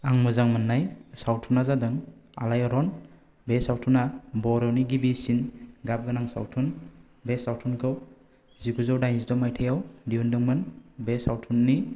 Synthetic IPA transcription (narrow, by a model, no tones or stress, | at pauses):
aŋmuzaŋmɯnːajsawtʰunazadɯŋa̰lajɔɾɔn | besawtʰunabɔɾɔwniɡibisinɡab̚ɡɯnaŋsa̰wtʰun | besawtʰunkʰɯw | zikuzɔwdajnsdɔmajtʰajawdiundɯŋmɯnbesawtʰunːi